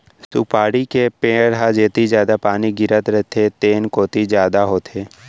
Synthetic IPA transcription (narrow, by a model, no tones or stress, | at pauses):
supaːɽikepẽːɾɦad͡ʒeːt̪izjaːd̪apaːniɡɪɾət̪ɾɛɦt̪ʰet̪eːnkoːt̪id͡ʒjaːd̪aɦoːt̪ʰeː